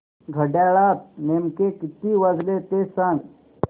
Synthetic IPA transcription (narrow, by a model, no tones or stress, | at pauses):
ɡʱəɖɛːɭaːt̪̚meːmkekɪt̪ːiʋɐzlet̪eːsan